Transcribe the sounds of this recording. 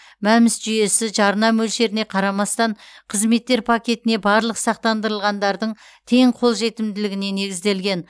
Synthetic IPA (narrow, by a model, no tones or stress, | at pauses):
mæmɪsʒʏje̞sɪʒɑɾnɑmɵlʃe̞ɾɪne̞qʰɑɾɑmɑst̪ɑɴqʰəzme̞t̪ːe̞ɾpʰakʲe̞t̪ɪne̞bɑɾlˠəqsɑq̚t̪ɑnd̪əɾəlˠʁɑnd̪ɑɾd̪əɴ | t̪ʰe̞ɴqʰo̞lˠʒe̞t̪ɪmd̪ɪlɪɡʲɪne̞ne̞ɡʲɪzd̪e̞lɡʲe̞n